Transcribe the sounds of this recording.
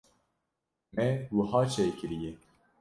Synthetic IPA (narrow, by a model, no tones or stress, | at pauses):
mɛwɨhɑːt͡ʃʰekɨɾijɛ